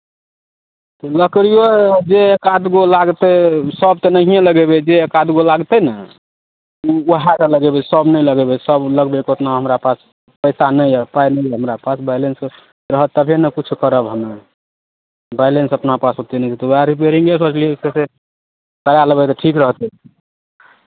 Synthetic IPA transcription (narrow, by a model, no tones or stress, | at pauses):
t̪ləkɾijod͡ʒeekad̪ɡolaɡt̪esəb̚t̪ɔnəɦiẽləɡebed͡ʒekad̪ɡolaɡt̪ɛnə | uuɦakeləɡebesəbnəjləɡebesəbləɡbekot̪naɦəmɾapas | pəɪsanəjpajnəjɦəmɾapasbaɪlens | ɾəɦət̪ːəbʱenəkut͡ʃʰukəɾəbɦənə | baɪlensəpnapasɦot̪inət̪ʰit̪uaɾip̬eɾiŋɡesət͡ʃliosese | kəɾaləbɛt̪ɔʈʰikɾəɦt̪ɛ